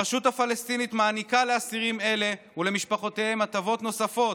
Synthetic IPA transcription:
eʃut̪hafalest̪init̪maːnikaleasiʁime̞le̞ | ule̞miʃpaχo̞t̪e̞he̞mat̪avo̞t̪no̞safo̞t

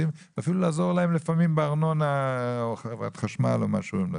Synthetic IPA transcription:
imvafilulaːzo̞ʁlahemlefamimbeaʁnona | va̰t̪χaʃmaloma̰ʃuemlo

